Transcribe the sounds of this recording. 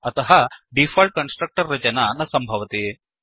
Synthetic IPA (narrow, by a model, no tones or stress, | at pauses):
ɐt̪ɐɦɐɖifʰɐːlʈ̚kɐnsʈɾɐk̚ʈɐɾːɐt͡ʃɐnanɐsɐmbʱɐʋɐt̪i